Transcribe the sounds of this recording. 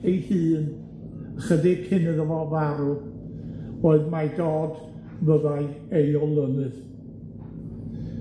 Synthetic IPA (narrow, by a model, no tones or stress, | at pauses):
ejhɨːn | əχədɪkʰɪnəðəvɔvaɾu | oːɨðmadɔːd | vəðaɨ | ejɔlˠənɨð